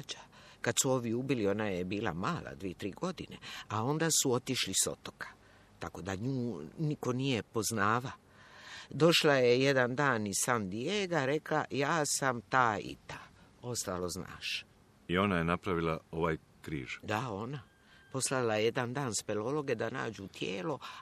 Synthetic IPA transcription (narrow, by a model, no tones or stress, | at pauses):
d͡ʒakad̪suo̞ʋiubilio̞najebiːla̰maːla̰d̪ʋiet̪ɾiːɡo̞d̪ine̞̰ao̞nd̪aːsuo̞t̪iʃliso̞̰t̪o̞̥kʰḁ | t̪ako̞d̪aɲuːniko̞nijepo̞znaːʋa | d̪o̞ʃlajejed̪and̪aːnisand̪ijeːɡaɾe̞klajaːsamt̪aːḭt̪ao̞st̪alo̞zna̰ːʃ | io̞najenapɾaʋilao̞ʋaj | kɾḭːʒ̥d̪ao̞na | po̞slailajeje̞d̪and̪aːnspelo̞lo̞ɡe̞d̪ana̰ːd͡ʑut̪jeːlo̞